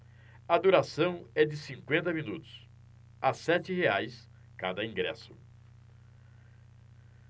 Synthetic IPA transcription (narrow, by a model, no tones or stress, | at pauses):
ɐd̪uɾasɐ̃w̃ɛd͡ʒɪsĩŋkwẽnt̪ɐmĩnut̪ʊ̥s | asɛt͡ʃɪheajs | kad̪ɐĩɡɾɛ̰sʊ